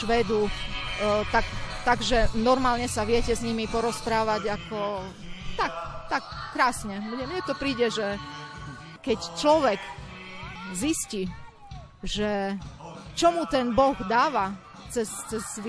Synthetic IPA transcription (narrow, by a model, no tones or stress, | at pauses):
ʃʋɛːd̪u | t̪akt̪aɡʒɛnɔɾmaːlɲɛsaʋɪɛcɛzɲimipɔɾɔspɾaːʋaɟakɔ | t̪akt̪akːɾaːsɲɛmɲɛmɲɛt̪ɔpɾiːɟɛʒɛ | kɛct͡ʃlɔʋɛk | zisci | ʒɛ | t͡ʃɔmut̪ɛnbɔɣd̪aːʋa | t͡sɛst͡sɛzʋ